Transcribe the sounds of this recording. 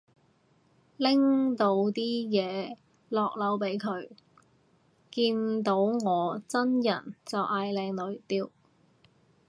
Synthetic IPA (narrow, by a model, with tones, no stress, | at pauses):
lɪ˥ŋt̪o˧wt̪iː˥jɛː˨˧ | lɔː˨k̚lɐ˨˥wpe˨˥jkʰɵ˨˧ɥ | kiː˧nt̪o˨˥wŋɔː˨˧t͡sɐ˥njɐ̰˨˩nt͡sɐ˨wʔaː˨˧jlɛː˧ŋlɵ˨˥ɥt̪iː˧w